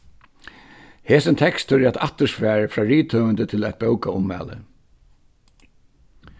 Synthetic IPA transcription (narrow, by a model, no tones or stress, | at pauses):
heːsənt̪ʰɛkst̪ʏɾæt̪aht̪əsfæːɹəfɹɑːɹiːt̪ʰœːʋənt̪ət̪ʰɪlæt̪̚bœwkaʊmːæ̰ːlə̰